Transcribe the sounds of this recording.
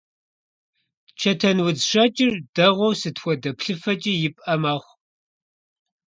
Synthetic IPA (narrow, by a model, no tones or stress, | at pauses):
t͡ʃʰɐtʰɐnwʊd͡zʂɐt͡ʃʼɪrd̥ɐʁʷɔwsɨtʰxʷɔdɐpɬɨfɐt͡ʃʼiːjɪpʼɐmɐχʷ